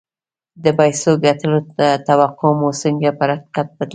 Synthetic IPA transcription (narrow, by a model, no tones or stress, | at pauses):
d̪əpajsoɡat̪əloat̪awaqʰomosəŋɡapəɾaqi̥qat̪̚bat̪l